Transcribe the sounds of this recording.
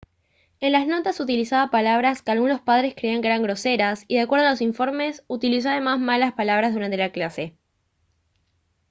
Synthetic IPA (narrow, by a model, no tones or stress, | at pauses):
e̞nlazno̞t̪asut̪ilisaðapalaβ̞ɾaskealɣuno̞spað̞ɾe̞skɾeiaŋkeeɾaŋɡɾo̞se̞ɾasiðakwe̞ɾð̞alo̞s̬iɱfo̞ɾme̞sut̪ilis̬oaðe̞mazmalaspalaβ̞ɾazðuɾant̪elaklase̞